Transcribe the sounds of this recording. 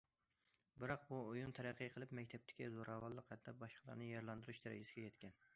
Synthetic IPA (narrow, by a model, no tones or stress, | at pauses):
bɪɾɑqbuujunt̪ʰɛɾæqʰːɨjqʰəlˠɨpmɛkʲt̪ʰɛp̚t̪ʰɪ̥kʲizoɾɑvɑlˠːəqhɛt̪̚d̪ɛbɑʃqʰəlˠɑ̰ɾnɨjɛɾlˠɑnd̪uɾuʃd̪ɛɾɪ̰d͡ʒɪsɪɡʲɛjɛt̪kʲʰɛn